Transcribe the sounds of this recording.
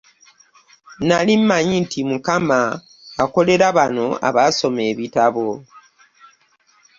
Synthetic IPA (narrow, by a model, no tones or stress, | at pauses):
nalimːaɲintimukamaː | ko̞le̞ɾaβano̞a̰βaso̞me̞ːβitaβo̞